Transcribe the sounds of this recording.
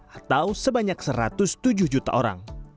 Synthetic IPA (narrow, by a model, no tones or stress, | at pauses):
at̪awsəbaɲaksəɾat̪ʊst̪ud͡ʒʊhd͡ʒut̪a̰ʔoɾa̰ŋ